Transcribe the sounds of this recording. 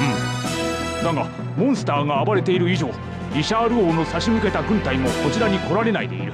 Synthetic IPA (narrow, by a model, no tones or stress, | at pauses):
ɯ̟̃ | d̪aɡa | mõ̞ɰ̃sɨ̥t̪aːɡaːbaɾe̞t̪e̞iɾɯ̟iʑo̞ː | ɾʲiɕaːɾɯ̟oːno̞saɕimɯ̟ke̞t̪aɡɯ̟̃nt̪aimo̞ko̞t͡ɕiɾaɲ̟iko̞ɾaɾe̞naid̪e̞ḭɾɯ̟